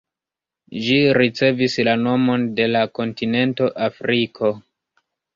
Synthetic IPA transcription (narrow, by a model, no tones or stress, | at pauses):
ʒiɾit͡se̞vislano̞mo̞nde̞lako̞ntine̞nto̞ʔafɾikʰo̞